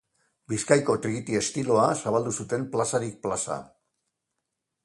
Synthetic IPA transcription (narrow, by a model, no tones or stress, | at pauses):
biskajko̞t̪ɾiɣit̪ie̞st̪ilo̞asaβald̪usut̪e̞mplasaɾik̚plasa̰